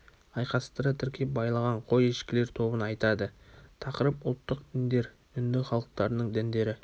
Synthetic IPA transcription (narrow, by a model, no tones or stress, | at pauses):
ɑjqɑst̪əɾət̪ʰʏɾkʲʰe̞bɑjlˠɑʁɑɴqʰo̞jeʃkʲɪle̞ɾt̪ʰo̞bənɑjt̪ɑd̪ət̪ʰɑqəɾəpʊlˠt̪ːəq̚d̪ɪnd̪e̞ɾ | ʏnd̪ɪχɑlˠəq̚t̪ɑɾənəɴd̪ænd̪e̞ɾɪ